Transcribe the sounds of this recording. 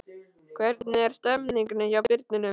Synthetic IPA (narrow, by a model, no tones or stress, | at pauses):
kʰvɛɾt̪nɪɛɾ̥st̪œmniŋknʏçawpɪɾt̪nɪnʏ